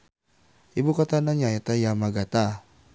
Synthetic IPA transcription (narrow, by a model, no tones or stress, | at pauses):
ibukat̪anaɲaɛt̪ajamaɡat̪a